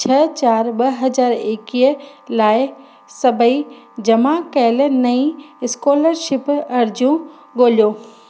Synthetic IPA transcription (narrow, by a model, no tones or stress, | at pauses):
t͡ɕʰɐt͡ɕaːɾɓɐɦɐzaːɾeːkiːə | laːɪ | sɐbʱəi | d͡ʑɐmakɛɪl̆nɐĩɪskoːləɾʃɪpɐɾd͡ʑjũ | ɠoːljoː